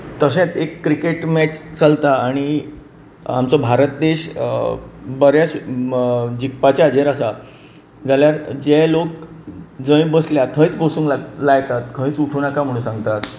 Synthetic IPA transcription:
t̪əɕẽt̪ekːɾikeʈmɛt͡ɕt͡səlt̪aːɽ̃i | amt͡sɔbʱaɾət̪̚d̪eɕ | bəɾjaɕ | d͡ʑikpat͡ɕead͡ʑeɾasa | d͡zaljaɾd͡ʑelok̚d͡zə̃j̃bəsljat̪ʰə̃jit͡sbəsuːŋklaɡlaɡt̪at̪kʰə̃ĩt͡suʈʰuːnakam̤əɽ̃ũːsãŋɡt̪at̪

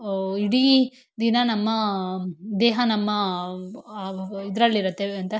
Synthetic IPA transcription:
iɽi | d̪inɐnɐmːɐ | d̪eːɦɐnɐmːɐ | id̪ɾɐɭːiɾut̪ːeɐnt̪ɐ

